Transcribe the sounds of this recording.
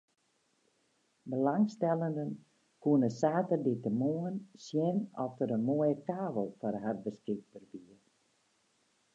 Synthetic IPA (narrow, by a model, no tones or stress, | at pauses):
bəlaŋstɛlˠəndən | kuənəsaːtərditəmuənsjɛnɔftəɾənmoəjəkaːʋəlˠfɔrɦarbəskɪɡ̚bərbiər